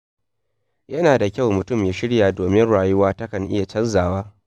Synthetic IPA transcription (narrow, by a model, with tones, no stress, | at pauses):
jɐ˦naː˨da˨kʲɐ˦˨wmʊ˨tʊ˦˨mjaː˨˦ʃɪ˦ɽjaː˨doː˨mɪ˦nɽaː˨jʊ˦waː˦tɐ˦kɐ˨ŋʔɪ˦ja˨t͡ʃɐ˦nzaː˨waː˦